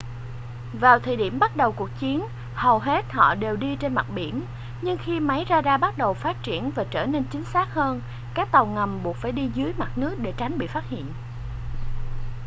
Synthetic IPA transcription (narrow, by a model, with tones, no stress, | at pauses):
vaː˨˩wt̪ʰəː˧˩ɗi˧˩əmɓa˦˥t̚ɗə˨˩wku˨˩ək̚t͡ɕi˨˦ən | hə˨˩wɦe˦˥t̚hɔ̰˧˨ɗe˨˩wɗi˧t͡ɕe˧nma˨˩t̚ɓḭ˧˩ən | ɲɨ˧ŋxi˧ma˨˦jzaː˧zaː˧ɓa˦˥t̚ɗə˨˩wfaː˦˥t̚t͡ɕi˧˩ənvaː˨˩t͡ɕəː˧˩ne˧nt͡ɕï˨˦ŋ̟saː˦˥k̚həː˧n | kaː˦˥k̚t̪a˨˩wŋa˨˩mɓu˨˩ək̚faː˧˩jɗi˧zɨ˨˦jma˨˩t̚nɨ˦˥ək̚ɗe˧˩t͡ɕa˨˦jŋ̟ɓḭ˧˨faː˦˥t̚hḭ˧˨ən